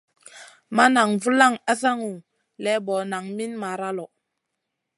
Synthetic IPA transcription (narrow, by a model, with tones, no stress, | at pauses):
ma˦na˨ŋvu˦la˦˨ŋa˦sa˦ŋu˨ | lɛ˨˦bɔ˨na˨ŋmi˦nma˨ɾa˦lɔ˨